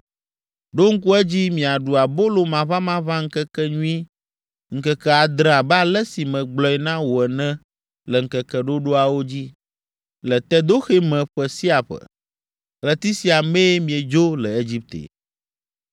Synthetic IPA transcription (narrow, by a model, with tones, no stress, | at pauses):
ɖo˦ŋ̩˦ku˦ɛ˦d͡ʑi˦mĩ˨a˨ɖu˨a˨bo˦lo˨mã˨βã˦mã˦βã˦ŋ̩˦kɛ˦kɛ˦ɲũ˦i˦ | ŋ̩˦kɛ˦kɛ˦a˨d̪ɾɛ̃˦a˨bɛ˦a˦lɛ˦si˨mɛ̃˨ɡ͡blɔ˦ɛ˨˦nã˦wo˨ɛ˨nɛ̃˦ | lɛ˨ŋ̩˨kɛ˨kɛ˨ɖo˦ɖo˦a˨wo˦d͡ʑi˦ | lɛ˨t̪ɛ˦d̪o˦xe˦mɛ̃˨ɸɛ˨si˦a˨ɸə̰˨ | lɛ˨t̪i˦si˦a˨mẽ˦e˦mĩ˨e˨d͡ʒo˦lɛ˨e˦d͡ʑi˦p̚t̪ḛ˨